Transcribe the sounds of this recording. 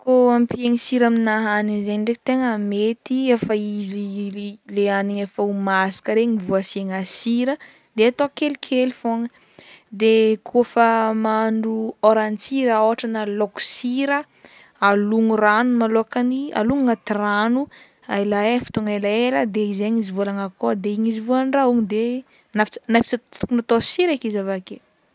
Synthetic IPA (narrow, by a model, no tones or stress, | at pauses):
koampieŋisiɾaminaɦanizeɳɖ͡ʐeki̥t̪eŋəmet̪iefəizileaniɲefəumasi̥kəɾeɲivuasieŋasiɾə | d̪eat̪okelikʰelfoŋə | d̪ekʰofəmaɳɖ͡ʐuoɾant͡siɾaoaʈ͡ʂanəloku̥siɾə | aluŋuranumaloakania̰luŋŋat̪iranu | ajlaefi̥t̪oŋalaeləd̪eizeɲizivolaŋakod̪eiɲizivolanrauɲid̪e | nafit͡snafi̥t͡sat̪ukunat̪osiɾakizavake